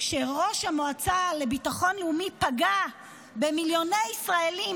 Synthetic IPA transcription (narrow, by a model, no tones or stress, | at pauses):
ʃeʁo̞ʃhamoat͡sale̞bitaχo̞nleumipaɡa | be̞miljo̞nejisʁaelim